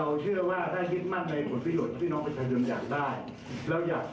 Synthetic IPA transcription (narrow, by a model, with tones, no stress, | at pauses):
a˧wt͡ɕʰɯ˥˩ɐwaː˥˩t̪ʰaː˥˩ji˦˥t̪̚ma˥˩ŋna˧jpʰo˩˦npɾa˧jo˨˩t̪̚ːʰiː˥˩nɔ˦˥ŋpe˧npʰa˧jo˧nja̰ː˨˩k̚daː˥˩j | lɛː˦˥wjaː˨˩k